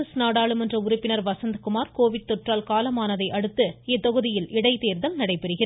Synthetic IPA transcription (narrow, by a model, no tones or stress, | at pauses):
ɐsnaːɽaːɭɯmɛndrɐʊɾʊpːɪnɐɾʋɐsɐnd̪kʊmaːɾkoːʋɪʈ̚t̪ɔʈraːlkaːlɐmaːnɐðɐɪʔɐɽɯt̪ːɯɛt̪ːɔɣɯðɪjɪlɪɽɐɪt̪eːɾðɐlnɐɽɐɪpːɛɾɯɣɪɾ